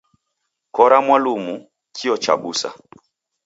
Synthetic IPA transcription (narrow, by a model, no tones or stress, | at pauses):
kɔɾamwalumu | kʰiɔt͡ʃa̰busa̰